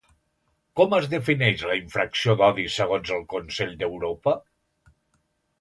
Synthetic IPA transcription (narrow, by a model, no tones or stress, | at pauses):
kɔməzðəfinɛʃləiɱfɾəksioðɔðisəɣ̞onzəlˠkunsɛʎd̪əwɾopə